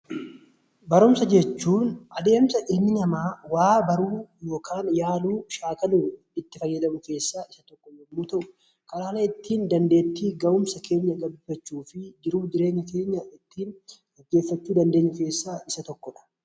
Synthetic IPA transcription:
bɐɾʊmsɐd͡ʒɛt͡ʃːuːnʔɐd̪e̞ːmsɐʔɪnːɪnɐmaːwaːbɐɾuːjo̞ːkʰaːnjaːluːʃaːkɐluː | ɪt̪ːɪfɐjːɐd̪ɐmʊke̞ːsːaːʔɪsɐt̪ɔkːɔnɛmːuːt̪ɐʔʊ̥ | kɐɾaːnɐɪt̪ːiːnd̪ɐnd̪e̞ːt̪ːiːɡɐʊmsɐkʰe̞ːɲːɐɡɐbɪfɐt͡ʃːuːfɪd͡ʒɪɾuːd͡ʒɪɾe̞ːɲːɐkeːɲːɐɪt̪ːiːn | ɐɡːe̞ːfːɐt͡ʃːuːd̪ɐnd̪e̞ːɲːʊke̞ːsːaːɪsɐt̪ɔkːɔᶑɐ̥

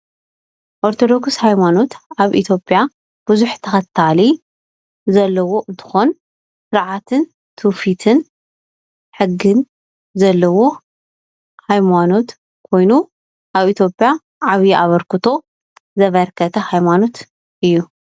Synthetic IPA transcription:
ʔoɾt̪ʰo̞d̪o̞kshajmano̞t̪ʔaβʔit̪ʰjo̞pʼːja | b̥ɨzuħt̪ʰɐxɐt̪ʰːali | zɐlːɐwo̞ʔɨnt̪ʰɨ̥xo̞n | sɨɾʕat̪ʰɨn | t̪ʰufit̪ʰɨn | ħɨɡːɨn | zɐlːɐwo̞ | hajmano̞t̪ | kʰo̞jnu | ʔaβit̪ʰjo̞pʼija | ʕaβiʔaβɐɾkʰɨt̪ʰo̞ | zɐβɐɾkʰɐt̪ʰɐhajmano̞t̪ | ʔɨjːu

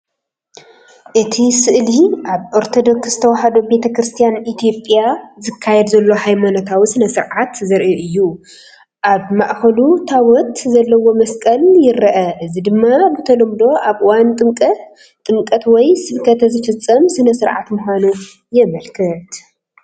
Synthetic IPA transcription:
ʔɨt̪ʰisɨʔliʔaβʔoɾt̪ʰo̞d̪o̞kszɨt̪ʰɐwaħad̪obe̞t̪ʰɐkɾɨst̪ʰijanit̪ʰjo̞pʼjazɨkʰːajɛd̪zɐlːo̞hajmanot̪ʰawisɨnɐsɨɾʕat̪zɐɾʔiʔɨjːu | ʔaβmaʔxɐlut̪ʰawɔt̪zɐlːɐwo̞mɐskʼɐljɪɾɐʔɐʔɨzid̪ɨmːabɨt̪ʰɐlɐmd̪o̞ʔaβwant̪ʼɨŋkʼ | t̪ʼɨŋkʼɐt̪wɔjsɨβkʰɐt̪ʰɐzɨfɨt͡sʼːɐmsɨnɐsɨɾʕa̰t̪muhanu | jɛmɐlkʰɨt̪

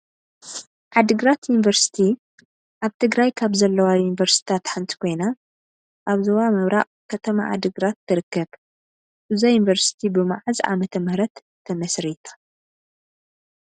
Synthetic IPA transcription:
ʕad̪ɨɡɾat̪junivɐɾsi̥t̪ʰi | ʔaβt̪ʰɨɡɾajkʰaβzɐlːɐwajunivɐɾst̪ʰi̥t̪ʰat̪ħant̪ʰi̥kʰo̞jna | ʔaβzowamɨβɾaʔ | kʰɐt̪ʰɐma̰ʕa̰d̪ɨɡɾat̪ːɨɾɨkːɐβ | ʔɨzajunivɐɾsi̥t̪ʰibɨmaʕɨza̰mɐt̪ʰɐmɾɐt̪ʰː | ɐmɐsɾit̪ʰḁ

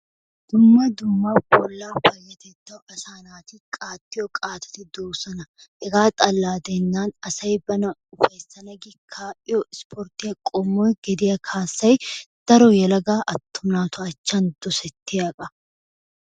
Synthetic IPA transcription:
d̪̥ʊmːɐd̪ʊmːaːpɔlːaːɸɐjːɐt̪ɛt̪ːɐwʔɐsaːnaːt̪ɪkʼaːt̪ːɪjɔkʼaːt̪ɐ̥t̪ɪd̪oːsɐnɐhɛɡaːt̪ʼɐlːaːd̪enːaːnɐsɐjbɐnɐʊfɐjsːɐnɐɡɪkʰːaːʔɪjɔɪspʰɔɾt̪ɪjɐkʼɔmːɔjɡɛd̪ɪjɐkʰaːsːɐjd̪̥ɐɾɔjɛlɐɡaːʔɐt̪ːʊmnaːt̪ʰɔɐt͡ʃːɐnd̪ɔsɛt̪ːɪjɐkʼɐ

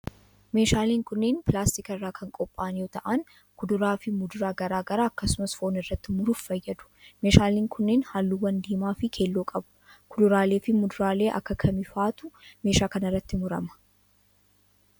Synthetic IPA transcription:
me̞ːʃaːliːŋkʊnːeːnpɪlaːst̪ɪkɐrːaːkʰɐŋkʼɔpʼːaːnjoːt̪ɐʔɐn | kʊd̪ʊɾaːfɪmʊd̪ʊɾaːɡɐɾaːɡɐɾaːɐkːɐsʊmɐsfoːnɪrːɐt̪ːɪmʊɾʊffɐjːɐd̪ʊ̥meːʃaːliːŋkʰʊnːeːnhaːlːuːwɐnd̪iːmaːfɪkʰe̞ːlːoːkʼɐbʊ̥kʊd̪ʊɾaːle̞ːfɪmʊd̪ʊɾaːle̞ːʔɐ̰kːɐkʰɐmɪfaːt̪ʊme̞ːʃaːkɐnɪrːɐt̪ːɪmʊɾɐ̰mɐ̥

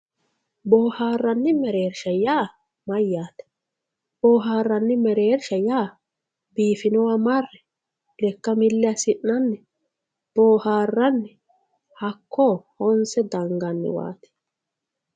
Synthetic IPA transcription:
boːhaːrːɐnːɪmɛɾeːɾʃɐjaː | mɐjːaːt̪ɛ̥ | b̥oːɦaːrːɐnːɪmɛɾeːɾʃɐjaː | biːfɪnɔwɐmɐrːɛ | lɛkːɐmɪlːɛɐsɪʔːɐnːɪ | b̥oːhaːrːɐnːɪ | hɐkʰːoːhɔnsɛd̪ɐŋɡɐnːɪ̰wa̰ːt̪ɛ̥

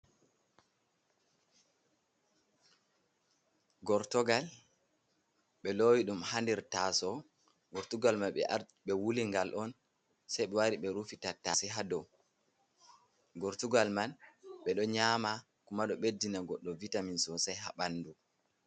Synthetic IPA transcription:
ɡɔɾtɔɡal | ɓɛlowiɗumhandɛɾtasɔ | ɡɔɾtuɡalmanɓɛ̰ | ɓɛwuliŋɡalʔɔn | sajɓɛwaɾiɓɛɾufitatasiɦadɔ | ɡɔɾtuɡalmanɓɛɗɔɲama | kumaɗɔɓedːinaɡɔɗːɔvitaminsɔsajha̰ɓanːdu

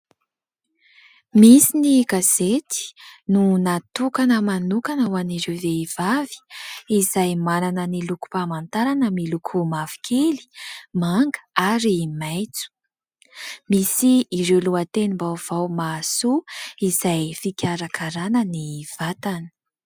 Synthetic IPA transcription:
misiniɡaz̥et̪i̥nunat̪ukanəmanukanawaniɾeveiv̥avi̥izajmananəniluku̥pamant̪aɾanəmilukʰumavi̥kʰeli̥maŋɡə̥aɾimajt͡su̥ | misiːɾewluat̪enimbawv̥awmasuiz̥ajfikʲaɾakʰaɾanəniv̥at̪ani̥

